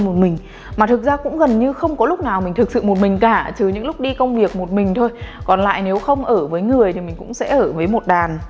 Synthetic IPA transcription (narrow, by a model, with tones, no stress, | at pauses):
mo˨˩t̚mï˨˩ŋ̟ | maː˨˩t̪ʰɨ˨˩k̚zaː˧kʊ̰˧˥ŋ͡mɣə˨˩nɲɨ˧xə˧wŋ͡mkɔ˨˦lʊ˦˥k͡p̚naː˨˩wmï˨˩ŋ̟t̪ɨ˨˩k̚sɨ̰˧˨mo˨˩t̚mï˨˩ŋ̟kaː˧˩t͡ɕɨ˨˩ɲɨ̰˧˥ŋlʊ˦˥k͡p̚ɗi˧kə˧wŋ͡mvi˨˩ək̚mo˨˩t̚mï˨˩ŋ̟t̪ʰo˧jkɔ˨˩nla̰ː˧˨jne˨˦wxə˧wŋ͡mʔəː˧˩vəː˨˦jŋɨ˨˩əjt̪ʰi˨˩mï˨˩ŋ̟kʊ̰˧˥ŋ͡msɛ̰˧˥ʔəː˧˩vəː˨˦jmo˨˩t̚ɗaː˨˩n